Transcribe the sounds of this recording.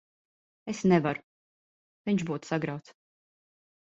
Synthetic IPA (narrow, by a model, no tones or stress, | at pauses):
esnɛvaɾʊ̥ | viɲt͡ʃbuːt̪saɡɾawt̪s